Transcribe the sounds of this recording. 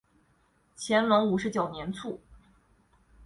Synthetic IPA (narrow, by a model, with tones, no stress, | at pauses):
t͡ɕʰjɛ˧˥nmɤ˧˥ŋu˨˩ʂɻ̩˧˥t͡ɕjo˨˩ʊnjɛ˧˥nt͡sʰu˥˩